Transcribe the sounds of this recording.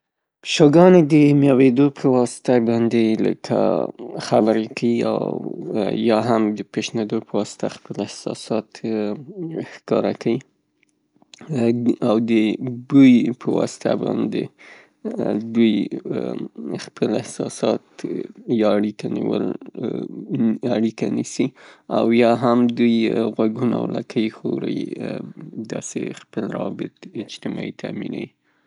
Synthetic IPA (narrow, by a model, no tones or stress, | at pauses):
ʃoɡɑned̪əmjɑwed̪opʰəwɑsɪ̥t̪abɑnd̪elə̰kʰa̰xabəɾekawia̰wjɑɦamd̪əpeʃned̪opəwɑsɪ̥t̪ʰaxpəlɪhsɑ̰sɑt̪ | xkɑɾa̰kʰawi | awd̪əd̪ujpʰəwɑ̰sɪ̥t̪ʰa̰bɑ̰nd̪ḛ | d̪uj | xpʰəlɪhsɑsɑt̪jɑaɽikʰaniwəl | aɽikanisiawjɑɦamd̪ujɣwaɡuna̰wlakʰəjxoɾəj | d̪ɑsexpəlɾawɑbɪt̪ɪd͡ʒt̪ɪmɑit̪ʰaminawi